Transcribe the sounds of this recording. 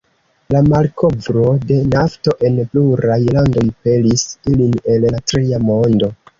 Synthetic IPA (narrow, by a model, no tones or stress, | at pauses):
lamalkʰo̞vɾo̞de̞nafto̞ʔe̞npluɾajlando̞jpe̞lisiline̞latɾiamo̞ndo̞